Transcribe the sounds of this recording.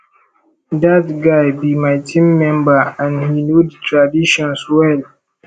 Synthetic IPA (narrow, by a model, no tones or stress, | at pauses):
datɡajbimajtʰĩmːɛ̃mbaãnhinodtʰɹadiʃɔ̃nswɛl